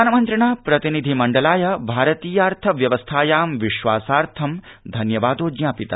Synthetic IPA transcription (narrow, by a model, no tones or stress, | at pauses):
anɐmɐnt̪ɾɐɳaːpɾɐt̪inid̪ʱimɐɳɖɐlaːjɐbʱaːɾɐt̪iːjaːɾt̪ʰɐʋjɐʋɐst̪ʰaːjaːmʋiʃʋaːsaːɾt̪ʰɐmd̪ʱɐnjɐʋaːd̪oːd͡ʒjaːpit̪ɐ